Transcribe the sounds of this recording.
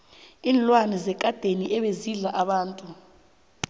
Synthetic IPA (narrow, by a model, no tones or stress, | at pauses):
iːnlwanizɛkʼad̥ʱeniʔɛɓeziɮaʔaɓaːntʼu